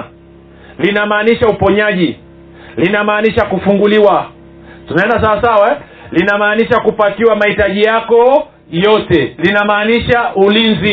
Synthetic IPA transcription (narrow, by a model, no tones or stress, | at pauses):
linamaːniʃaupɔɲaʄi | linamaːniʃakufuŋɡuliwa | tunaɛndasawasawa | linamaːniʃakupakiwamaitaʄijakɔ | jɔtɛlinamaːniʃaʔulinzi